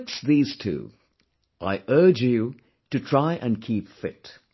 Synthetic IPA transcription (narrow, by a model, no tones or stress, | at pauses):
ksðiːz̥tʰʉ̰ | ʔa̰ɪʔɜ˞d͡ʒjɨ | tɨtʰɹ̥aɪʔɨ̃nkʰipfɪt